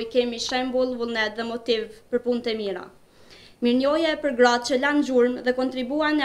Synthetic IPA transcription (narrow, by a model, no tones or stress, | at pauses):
jkɛmiʃɛmbulˠvulˠnɛt̪ðɛmɔt̪ivpəɾpunt̪əmiɾa̰ | miɾnɔjɛpəɾɡɾad̪̚t͡ɕəland͡ʒuɾmðɛkɔnt̪ɾibuan